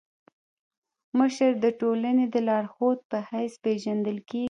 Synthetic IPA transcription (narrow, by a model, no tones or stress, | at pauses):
məʃəɾd̪əʈolaned̪əlɑɽxot̪̚pəhajspeʒand̪əlke